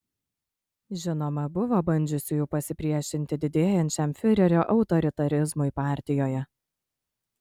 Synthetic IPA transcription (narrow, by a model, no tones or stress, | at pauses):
ʒʲɪnoːmɐbʊʋoːbɐnʲd͡ʒʲʊsʲɪjuːpɐsʲɪpʲɾʲiɛʃʲɪnʲt̪ʲɪd̪ʲɪd̪ʲeːjɛnʲt͡ʃʲɛmfʲɪɾʲɛɾʲoːʔɒʊt̪ɔɾʲɪt̪ɐɾʲɪzmʊɪpɑːˑɾʲt̪ʲɪjoːjɛ